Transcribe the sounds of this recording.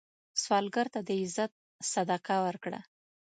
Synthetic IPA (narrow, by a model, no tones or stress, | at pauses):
swɑlɡaɾt̪ad̪əɪzat̪̚ | sad̪aqawəɾkɽa̰